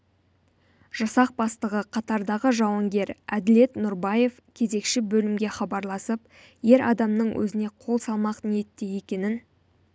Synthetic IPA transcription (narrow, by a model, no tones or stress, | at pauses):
ʒ̥ɑsɑq̚bɑst̪əʁəqʰɑt̪ɑɾd̪ɑʁəʒɑwɑŋɡʲe̞ɾæd̪ɪle̞t̪nʊɾbɑje̞fkʲʰe̞ze̞kʃɪbɵlɪmɡʲe̞χɑbɑɾlˠɑsəp | je̞ɾʔɑd̪ɑmnəɴwʔɵ̰zɪne̞qʰo̞lˠsɑlˠmɑqnije̞t̪ːe̞je̞kʲe̞nɪn